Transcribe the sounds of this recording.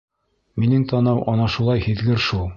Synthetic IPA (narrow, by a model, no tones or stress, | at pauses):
minɘŋt̪ʰɒnɑwʔɒnɑʃulˠɑjhiðɡɘɾʃulˠ